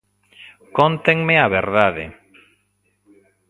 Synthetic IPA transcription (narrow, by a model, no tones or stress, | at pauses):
kont̪eŋmeaβḛɾðaðɪ̰